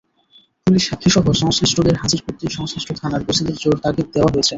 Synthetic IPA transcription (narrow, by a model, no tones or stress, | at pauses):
puliʃakʰːiʃɔɦoʃɔŋskɾisʈoɡeɾɦad͡ʑiɾpuɾ̚t̪ːiɾʃɔŋskɾisʈʰot̪ʰanaɾbosid̪eɾd͡ʑoɾt̪aɾɡit̪̚d̪eoaɦojet͡ɕʰe